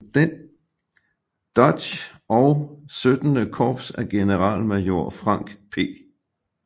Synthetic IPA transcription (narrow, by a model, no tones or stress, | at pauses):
d̥en | d̥ɒd̥ɕ | ʔɒʊsød̥ənəkʰɒːb̥sæɡ̥e̝nəʁɑ̰̈lmæjo̝ɐ̰fʁɑ̈ŋ̰ɡ̥pʰe̝̰ː